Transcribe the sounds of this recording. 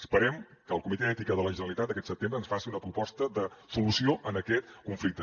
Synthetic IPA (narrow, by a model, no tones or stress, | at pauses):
əspəɾɛm | kəːlˠkumit̪ɛɛt̪ikəðələʒənəlit̪at̪d̪əkɛt̪səp̚t̪embɾəːnsfasiunəpɾupɔst̪əðəsulusioʔənəkɛt̪̚kuɱflik̚t̪ə